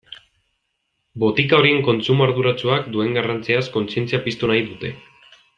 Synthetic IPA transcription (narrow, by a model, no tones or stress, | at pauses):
bo̞t̪ikao̞ɾie̞ŋko̞nt͡sumuaɾðuɾat͡suakd̪ue̞ŋɡarant͡siasko̞nsie̞nt͡siapist̪unajðut̪e̞